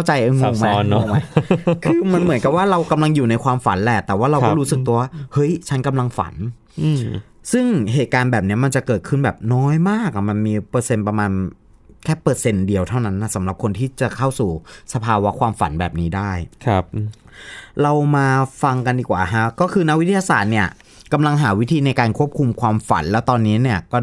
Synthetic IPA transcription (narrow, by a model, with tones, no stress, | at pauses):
a˥˩wt͡ɕa˧jʔɤː˧ŋa˨˩ma˧ɔ˦˥˦a˧˩kʰɯː˧ma˧nmɯ˩˦nka˨˩waː˥˩ɾa˧wka˧mla˧ŋjuː˨˩na˧jkʰwaː˧mfa̰˩˦nlɛ˨˩t̪ɛː˨˩waː˥˩ɾa˧wkɔː˥˧˥ɾu˦˥sɯ˨˩k̚t̪u˧əwaː˥˩hɤ˦˥jt͡ɕʰa˦˥nka˧mla˧ŋfa̰˩˦n˨ | sɯ˥˩ŋɦeː˨˩t̪̚kaː˧nbɛː˨˩p̚ni˦˥ɐma˧nt͡ɕa˨˩kɤː˨˩t̪̚kʰɯ˥˩nbɛː˨˩p̚nɔː˦˥jmaː˥˩k̚a˨˩ma˧nmiː˧pɤː˧se˧npa˧maː˧n | kʰɛː˥˩pɤː˧se˧ndi˧əwt̪ʰa˥˩wna˦˥nːa˧˥˩sa˩˦mɾla˨˩p̚kʰo˧nt̪ʰiː˥˩t͡ɕa˨˩kʰa˥˩wsuː˨˩sa˧pʰaː˧wa˦˥kʰwaː˧mfa̰˩˦nbɛː˨˩p̚niː˦˥daː˥˩jʰp̚ | ɾa˧wmaː˧fa˧ŋka˧ndiː˨˩kwaː˨˩ɦʰa˦˥kɔː˥˩kʰɯː˧na˦˥k̚wi˦t̪ʰi˧ja˧saː˨˩t̪̚ni˥˩ɐ | ka˧mla˧ŋɦaː˩˦wi˦˥t̪ʰiː˧na˧jkaː˧nkʰu˥˩əp̚kʰu˧mkʰwaː˧mfa̰˨˩˦nlɛː˦˥wt̪ɔː˧nːiː˦˥ni˥˩ɐkɔː˥˩